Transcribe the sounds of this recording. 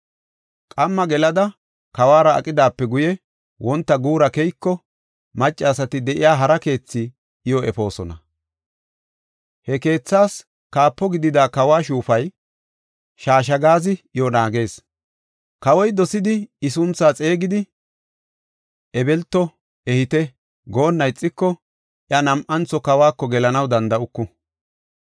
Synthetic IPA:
kʼɐmːɐɡɛlɐd̪ɐ | kɐwaːɾɐɐ̰kʼɪd̪aːpːɛɡʊjɛ | wʔɔnt̪ːɐɡuːɾɐkɛjkːɔ | mɐt͡ʃʼːɛːsɐt̪ɪd̪ɛʔɪjaːɦɐɾɐke̞ːt͡sːɪ | ɪjɔɛ̰fo̞ːsɔnɐ̰ | hɛke̞ːt͡sːaːs | kaːpːɔɡɪd̪ɪd̪aːkɐwaːʃuːfɐj | ʃaːʃ̬ɐɡaːzɪʔɪjɔnaːɡe̞ːs | kɐwɔjd̪ɔsɪd̪ɪɪsʊnt͡sːaːt͡sʼe̞ːɡɪd̪ɪ | ʔɛbɛlt̪ːɔ | ɛhɪt̪ɛ | ɡoːnːɐjt͡sʼːɪkːɔ | ʔɪɐnɐmʔɐnt͡sɔkɐwaːkːɔɡɛlɐnɐwd̪ɐnd̪ɐʊkːʊ

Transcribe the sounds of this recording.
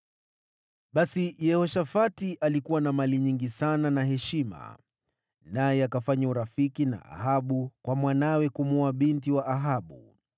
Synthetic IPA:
ɓasijɛhɔʃafatiʔalikuwanamaliɲiŋɡisananaɦɛʃima̰ | najɛakafaɲauɾafikina̰ʔa̰haɓukwamwanawɛkumuaɓintiwaʔːɦaɓu

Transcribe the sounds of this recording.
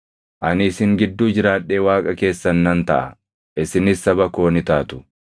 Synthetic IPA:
ʔɐnɪsɪŋɡɪd̪ːuːd͡ʒɪɾaːᶑːe̞ːwaːkʼɐke̞ːsːɐnːɐnt̪ɐʔɐ̰ | ʔɪsɪnɪsːɐbɐko̞ːnɪt̪aːt̪ʊ̥

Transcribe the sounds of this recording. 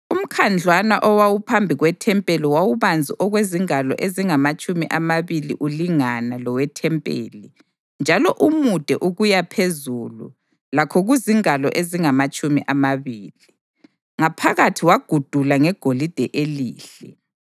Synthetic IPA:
um̩kʰand͡ɮʱwanaʔɔwawupʰambʱiɣwɛtʰɛmpʼɛlɔwawuβand͡zʱiʔɔɣweziŋalɔ̰ʔeziŋamat͡ʃʼumiʔamaβilḭʔuliŋanalɔwɛtʰɛmpʼḛːli | nd͡ʒʱalɔʔumud̥ʱɛʔuɣujapʰezulṵ | lakʰɔɣuziŋalɔʔeziŋamat͡ʃʼumḭʔamaβiːli | ŋapʰaɣatʰiwaɡ̥ʱud̥ʱulaŋɛɡ̥ʱolid̥ʱɛʔeliːɬɛ

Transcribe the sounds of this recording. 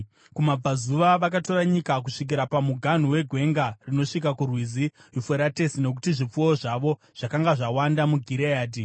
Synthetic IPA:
kumab͡vazuʋaʋakato̞raɲikak̬uʂik̬iɾapamuɡʱan̤uwe̞ɡʱwe̞ŋɡarino̞ʂikakurwizijufeɾate̞sine̞k̬utiʐip͡fuwoʐaʋo̞ | ʐ̥akaŋɡaʐawandamuɡʱiɾeaːdi

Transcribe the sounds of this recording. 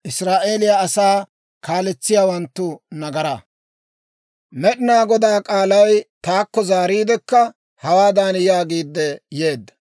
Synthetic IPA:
ʔɪsɾaːʔe̞ːlɪjaɐsaː | kaːlɛt͡sːɪjaːwɐnt̪ːʊnɐɡɐɾɐ | mɛɗɪnaːɡɔd̪aːkʼaːlɐjt̪aːkːɔzaːɾiːd̪ɛkːɐ | hɐwaːd̪aːnjaːɡiːd̪ːɛje̞ːd̪ːɐ̥

